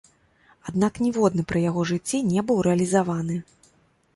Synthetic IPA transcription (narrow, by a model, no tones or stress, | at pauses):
ad̪naknʲivɔd̪nɨpɾɨjaɣɔʐɨt͡sʲːinʲɛbɨwɾɛɐlʲizavanɨ